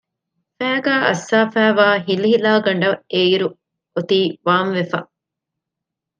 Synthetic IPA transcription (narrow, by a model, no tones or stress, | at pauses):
fæːɡæːʔɐ̰sːaːfæːʋaːɦiliɦilaːɡɐɳɖɐeiɾu | ot̪iːʋaːnʋefɐ